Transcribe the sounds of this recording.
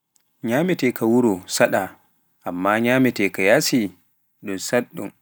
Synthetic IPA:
ɲaːmɛtɛkawuɾɔsaɗa | ʔamːaɲaːmɛtɛkajasi | ɗunsaɗːṵm

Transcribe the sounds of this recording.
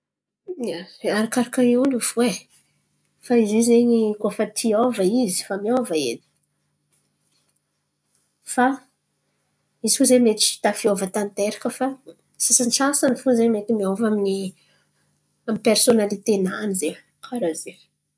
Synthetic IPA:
aɾakaɾakaeuluve | faizizeɲikofət̪ʰiovaizi̥famiavaenə̥ | fa | izi̥fuzemet͡ʃi̥t̪afiovət̪ant̪eɾakəfa | sasanʈ͡ʂasanifuzemet̪imiovamini | amipersonalit̪enanize | aɾaze

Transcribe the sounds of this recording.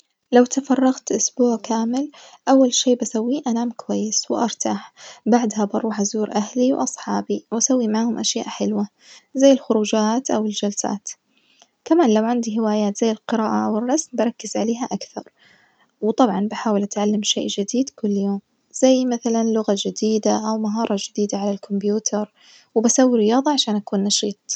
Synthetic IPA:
lawt̪afɑrˤːɑɣt̪ʔʊsbuːʕkaːmɪlʔawːalʃeːbasawːiʔanaːmkʊwajːɪswʔɑɾˤt̪ʰaħbaʕd̪habɑɾˤuːħazuːɾʔahliwʔɑsˤħɑːbiwʔasawːimaʕhʊmʔaʃja̰ːʔħɪlwa | zajːɪlxʊɾuːd͡ʒaːt̪ʔawɪld͡ʒalsa̰ːt̪ | kamaːnlawʕand̪iɦɪwaːjaːt̪zajːɪlqɪɾaːʔaʔwɪrˤːɑsmbɑɾˤɑkːɪzʕaleːɦaʔakθɑɾˤ | wt̪ˤɑbʕɑnbɪħaːwɪlʔat̪ʕalːamʃḛːʔd͡ʒɪd̪iːd̪kʊlːjoːm | z̥ajːmaθalanlʊɣad͡ʒɪd̪iːd̪aʔawmaɦɑːɾˤɑd͡ʒɪd̪iːd̪aʕalalkʰʊmbjuːt̪ʰɑɾˤ | wɪbasawːiɾɪjɑːðˤɑʕaʃaːnʔakuːnːɑʃiːt̪ˤ

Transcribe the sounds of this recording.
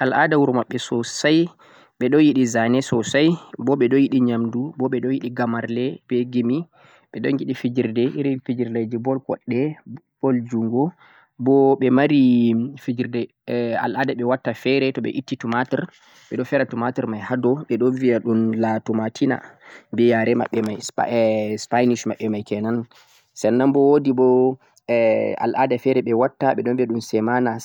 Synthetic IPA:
ʔalʔadawuɾmaɓːɛsɔsaj | ɓɛɗɔjiɗizanɛsɔsajbɔɓɛɗɔjiɗiɲamdubɔɓɛɗɔjiɗiɡamaɾlɛbɛɡimi | ɓɛɗɔŋɡiɗifid͡ʒiɾdɛʔiɾifid͡ʒiɾlad͡ʒibɔlkɔ̰ɗːɛ | b̥ɔld͡ʒuŋɡɔ | bɔɓɛmaɾifid͡ʒiɾdɛ | a̰lʔadaɓɛwatːafɛɾɛtɔɓɛ̰ʔitːitumatɛɾ | ɓɛɗɔfɛɾatumatiɾmajhadɔɓɛɗɔnviaɗunlatumatʰina̰bɛjaɾɛma̰ɓːɛmaj | spajniʃmaɓːɛmajkɛnan | sɛnːambɔwodibɔ | a̰lʔadafɛɾɛɓɛwatːaɓɛɗɔnbɛɗumsɛmana

